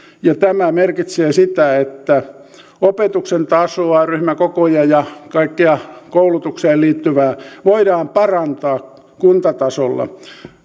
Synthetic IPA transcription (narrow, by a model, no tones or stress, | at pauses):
jɑt̪æmæmerkit̪seːsit̪æet̪ːæ | opet̪uksent̪ɑsoɑryhmækokojɑjɑkɑikːeɑkoulut̪ukseːlliːt̪ːyʋæːʋoidɑːmpɑrɑnt̪ɑː | kunt̪ɑt̪ɑsolːɑ̰